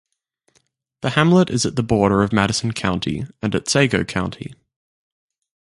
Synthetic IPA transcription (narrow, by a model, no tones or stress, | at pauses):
ðəhãmləɾɪzəʔ̪̚ðəbɔːɾəɹəvmæɾɪsə̃n̩kʰãʊ̃ntʰḭə̃nətseɪɡəʊkʰãʊ̃ntʰḭ